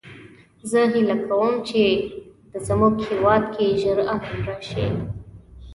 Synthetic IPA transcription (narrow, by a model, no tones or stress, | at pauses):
zəɦɪlakʰawəmt͡ʃed̪̥əzamuɡhewɑd̪kʰeʒəɾaɦanɾɑʃḛ